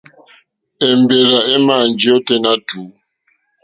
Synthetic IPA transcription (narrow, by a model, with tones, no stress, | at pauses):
ɛ˨mbe˨ɾa˨ɛ˦ma˨nd͡ʒe˦ɔ˦tɛ˦na˦tuː˨˦